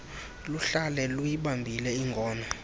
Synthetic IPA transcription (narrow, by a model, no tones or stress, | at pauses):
luɬalɛlujiɓambʱilɛiŋɡʱɔːna